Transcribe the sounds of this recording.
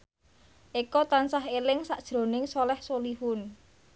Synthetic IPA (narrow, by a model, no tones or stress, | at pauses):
ʔekɔt̪ansaɦelɪŋsaʔd̥ʒ̥ɾo̤nɪŋsɔlɛhsolihʊn